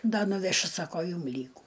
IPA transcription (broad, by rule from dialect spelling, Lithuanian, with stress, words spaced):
ˈdɐ nʊʋʲɛˈʃʲʊ ˈsɑːkoː ˈjuːm ˈlʲiːɡuː